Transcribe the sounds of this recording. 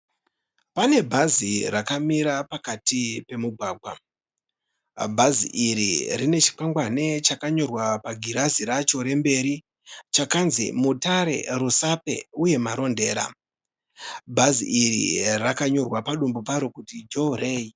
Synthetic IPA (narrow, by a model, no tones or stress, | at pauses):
pane̞bʱazirakamiɾapakatipe̞muɡʱwaːɡʱwa̰ | bʱazḭʔiɾḭrine̞t͡ʃi̥paŋɡwane̞t͡ʃakaɲo̞rwapaɡʱiɾaziɾat͡ʃo̞ɾe̞mbe̞ɾi | t͡ʃakanzḭmutaɾe̞̰rusape̞̰uje̞maɾo̞nde̞ːɾa̰ | bʱazḭʔirḭrakaɲo̞rwapaɗumbop̬aɾokutid͡ʒoɾe̞ːi